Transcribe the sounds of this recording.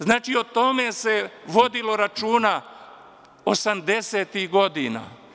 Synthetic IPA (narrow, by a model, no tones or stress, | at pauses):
znaːt͡ʃio̞t̪o̞me̞se̞ʋo̞d̪ilo̞ɾat͡ʃuːna | osamd̪e̞seːt̪ihɡo̞d̪ina̰